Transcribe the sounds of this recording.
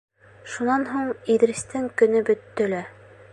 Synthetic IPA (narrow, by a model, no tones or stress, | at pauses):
ʃunɑnɦuɴiðɾist̪ɘŋkɵ̆nɘbɵ̆t̪ːɵ̆læ